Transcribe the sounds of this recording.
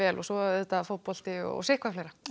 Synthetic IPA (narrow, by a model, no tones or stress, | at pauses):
ɛːlɔsɔɛt̪ːaft̪̚pɔl̥t̪ɪɔ̰sɪhkvaflejɾa